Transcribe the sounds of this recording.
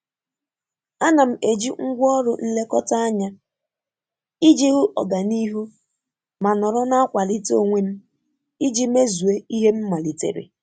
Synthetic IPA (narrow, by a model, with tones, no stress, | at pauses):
a˦na˨m̩˨e˨d͡ʒi˦ŋ̩˦ɡʷɔ˦ɾʊ˨n̩˦le˦kɔ˦ta˦a˦ɲa˦ | i˦d͡ʒi˦ɦu˦ʔɔ̰˨ɡa˨ni˦ɦu˦ | ma˨nɔ˨ɾɔ˦na˦a˦kʷa˨li˦to˦˨ŋʷe˦m̩˦ | i˦d͡ʒi˦me˦zu˨e˦i˦ɦe˦m̩˦ma˨li˨tḛ˨ɾḛ˨